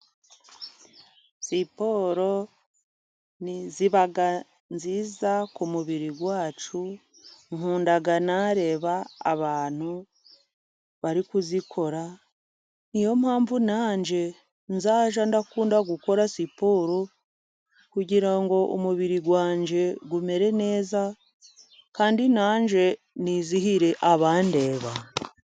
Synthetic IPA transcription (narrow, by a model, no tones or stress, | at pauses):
sipo̞ɾo̞ | niziβaɡa | nziːzakumuβiɾiɡwaːt͡ʃu | ŋhuːndaɡanaɾe̞ːβa̰ːβaːn̥hu | βaɾikuzikʰo̞ɾa | nijo̞mhaːɱvunaːɲd͡ʒe̞ | nzaːʒandakuːndaɡuko̞ɾasipoːɾo | kuɟiɾaŋɡo̞ʔomuβiɾiɡwaːɲd͡ʒe̞ɡume̞ɾe̞ne̞ːza | kaːndinaːɲd͡ʒe̞ | niziɦiɾe̞ʔaβaːnde̞ːβa̰